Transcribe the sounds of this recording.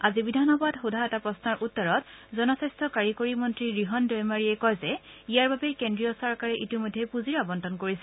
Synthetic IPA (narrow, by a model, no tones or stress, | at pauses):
azibidʱanɔbadxudʱaɛtapɹɔsnaɹʔutːɔɹɔtzɔnɔsistʰɔkaɹikoɹimɔntɹiɹiɦɔndɔjmaɹiɛkɔjzɛijaɹbʱabɛkendɹijɔsɔɹkaɹɛʔitimɔjdʱːɛpuziɹabɔntɔnkoɹisɛ̥